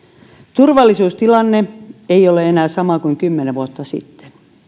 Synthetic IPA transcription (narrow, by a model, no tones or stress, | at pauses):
t̪urʋɑlːˑisuːst̪ilɑnːeeijoleenæːsɑmɑkuiŋkymːeneʋʋuot̪ːɑsḭt̪ːe̥n